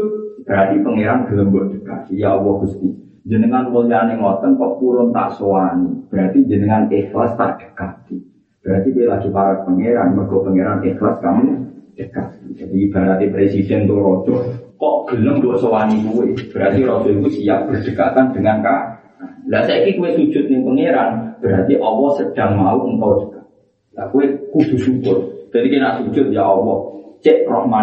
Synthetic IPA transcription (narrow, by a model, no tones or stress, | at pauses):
ub̥əɾart̪ipəŋeɾanɡ̥ələŋbɔʔd̥ə̥ka̰t̪ijaɔwɔɡ̥ust̪i | d͡ʒənəŋankulianeŋɔt̪ənkɔʔpuɾʊnt̪a̰ʔsoanib̥əɾat̪iɲd͡ʒənəŋanekla̰st̪a̰rd̥ə̤̥kaki | b̥əɾart̪it̪uelaɡ̥i̤paɾət̪̚pəŋeɾanmərɡ̥ɔpəŋeɾanʔeklaskaməd̥əkak̪id͡ʒadib̥a̤ɾat̪ipɾesid̥ɛnt̪ʊrɔ̥ʒ̥ɔkɔʔɡ̥ə̤ləŋd̪ursəwanikuweb̥əɾat̪iɾɔd̥d͡ʒ̥ɔikusiaʔ̚b̥ərd̥əkat̪and̥əŋanka | alasaikikuwesu̥ʒ̥ʊt̪̚nɪpəŋeɾanb̥əɾat̪iʔɔwɔsəd̥a̤ŋmauəŋkawi̥kḁ | lakuwekud̪̥ṳsubʊr̚d͡ʒ̥ad̪ikenaʔsu̥d͡ʒ̥ʊt̪̚jaɔwɔt͡ʃeʔrɔhma